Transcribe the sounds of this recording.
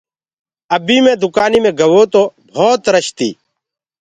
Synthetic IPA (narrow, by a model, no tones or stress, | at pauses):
əbiːmẽːd̪ʱʊkaːniːmẽːɡʱəʋoːt̪oːbʱoːt̪ɾəʃt̪ḭː